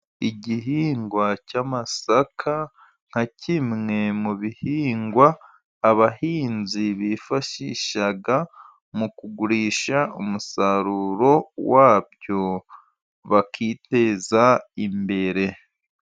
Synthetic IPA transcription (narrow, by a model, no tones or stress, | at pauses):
iɟiɦiːŋɡwacaːmasakʰa | ŋ̥hacʰimŋe̞muβihiːŋɡwaː | βahiːnziβifaʃiʃaɡa | mukuɡuɾiːʃaumusaɾuːɾo̞waːβjo̞ | βakʰiːte̞ːzaimbe̞ɾe̞